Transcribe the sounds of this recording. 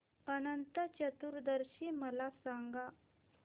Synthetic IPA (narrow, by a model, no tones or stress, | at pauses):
ənənt̪ət͡ɕət̪uɾd̪əɾɕiməlasaŋɡa